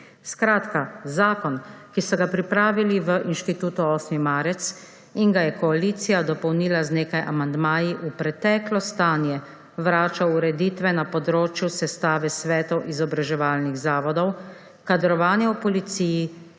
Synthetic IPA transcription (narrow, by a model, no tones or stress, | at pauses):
skɾaːt̪kazaːkɔnkisɔɡapɾipɾaːʋiliʋəʔinʃt̪it̪uːt̪uɔsnimaːɾɛt̪s | inɡajɛkɔaliːt̪sijad̪ɔpɔwniːlazneːkajʔa̰mand̪maːjiʔupɾɛt̪ɛːklɔst̪aːnjɛ | ʋɾaːt͡ʃawuɾɛd̪iːt̪ʋɛnapɔd̪ɾoːt͡ʃjusɛst̪aːʋɛsʋɛːt̪ɔwʔizɔbɾaʒɛʋaːlniɣzaːʋɔd̪ɔw | kad̪ɾɔʋaːnjɛupɔlit̪siːji